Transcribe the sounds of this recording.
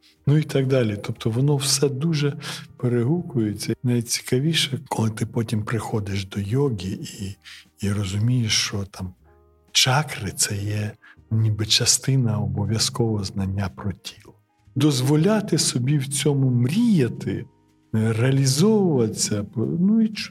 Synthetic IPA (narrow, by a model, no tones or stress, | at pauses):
nuit̪ɑɡ̚d̪ɑlʲit̪ɔpt̪ʰɔʋɔnɔwsɛd̪uʒɛpeɾeɦukʊjʊt͡sʲːɐnɐjʲit͡sʲi̥kɐʋʲiʃɛkɔlˠɪt̪ɪpɔtʲimpɾɪxɔd̪ɪʃd̪ɔjɔɡʲiiː | rɔzʊmʲijeʃt͡ʃɔt̪ɑm | t͡ʃɑkɾɪt̪sɛjɛʊnʲibɪt͡ʃɐst̪ɪnɐɔbɔʋʲjɐskɔʋɔɔznɐnʲːapɾɔtʲʰi̥lˠɔ | d̪ɔzʋɔlʲat̪ɪsɔbʲiwt͡sʲɔmʊmɾʲijɐt̪ɪ | reɐlʲizɔwʊʋɐt͡sʲːɐpnuit͡ʃ